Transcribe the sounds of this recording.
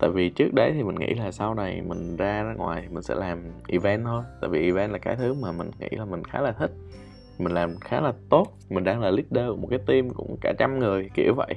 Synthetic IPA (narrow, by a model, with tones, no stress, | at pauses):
t̪a̰ː˧˨jvi˨˩t͡ɕɨ˦˥k̚ɗə˨˦jt̪ʰi˨˩mï̟˨˩ŋʔḭ˧˥laː˨˩sa˧wna˨˩jmï˨˩ŋ̟zaː˧zaː˧ŋwa̰ː˨˩jt̪ʰi˨˩mï˨˩ŋ̟sɛ̰˧˥laː˨˩mʔi˧˩vɛ˧nt̪ʰo˧jt̪a̰ː˧˨jvi˨˩ʔi˨˩vɛ˧nlaː˨˩kaː˨˦jt̪ʰɨ˨˦maː˨˩mï˨˩ŋ̟ŋḭ˧˥laː˨˩mï˨˩ŋ̟xaː˨˦laː˨˩t̪ʰï˦˥k̟̚ | mi˨˩ŋ̟laː˨˩mxaː˨˦laː˨˩t̪o˦˥t̚mï˨˩ŋ̟ɗaː˧ŋlaː˨˩li˦˥k̚ɗə˧˩mo˨˩kaː˨˦t̪i˧mkʊ̰˧˥ŋ͡mkaː˧˩t͡ɕa˧mŋɨ˨˩əjkḭ˧˩əwvə̰˧˨j